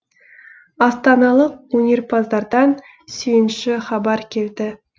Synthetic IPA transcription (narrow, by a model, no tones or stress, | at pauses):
ɑst̪ɑnɑlˠəq̚wɵnʲe̞rpʰɑzd̪ɑɾd̪ɑn | sɵjɪnʃɪχɑbɑɾkʲʰe̞ld̪ɪ